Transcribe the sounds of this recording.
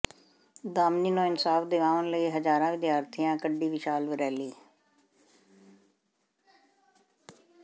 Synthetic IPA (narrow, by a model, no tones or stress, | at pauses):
d̪aːmniːnõːɪnsaːfd̪eʋãːʋənləiːɦəd͡ʒaːɾãːʋɪd̪jaːɾt̪ʰijãːkəɖiːʋɪʃaːlʋəɾɛːliː